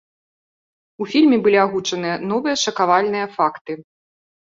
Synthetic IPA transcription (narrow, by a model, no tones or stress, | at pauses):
ufʲilʲmʲɛbɨlʲiaɣut͡ʂɐnɨjɐnɔvɨjɐʂɐkavalʲnɨjɐfakt̪ɨ